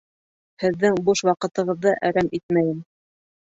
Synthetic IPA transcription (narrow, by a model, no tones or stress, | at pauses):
hɘ̆ðːɘŋbuʃwɑqɤ̆t̪ɤ̆ʁɤ̆ðːɤʔæɾæmit̪̚mæjɘm